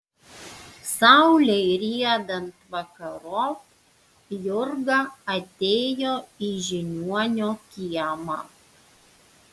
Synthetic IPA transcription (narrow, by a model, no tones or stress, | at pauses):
sɑˑʊlʲɛɪɾʲiɛd̪ɐnt̪ʋɐkɐɾoː | jʊɾɡɐɐt̪ʲeːjoːiʒʲɪnʲuɔnʲoːkʲiɛmɑ̰ː